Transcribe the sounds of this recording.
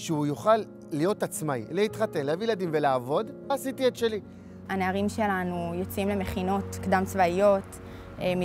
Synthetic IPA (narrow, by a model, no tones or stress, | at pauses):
ʃeujoχalː | ijo̞t̪at͡smailehit̪χate̞nleavijlad̪imveleavo̞d̪ːsit̪iet̪ʃe̞li | haneaʁimʃelanujo̞t͡simle̞meχino̞tkd̪amt͡svaijo̞t | emi